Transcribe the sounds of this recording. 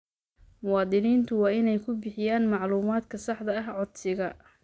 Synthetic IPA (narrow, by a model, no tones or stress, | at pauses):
mʊwɑːd̪ɪniːnt̪ʰʊwɑːɪnɛjkʰʊbɪħɪjaːnmɑʕluːmaːd̪kʰɐsɑħd̪ɐɐɦʕɔd̪sɪɣɐ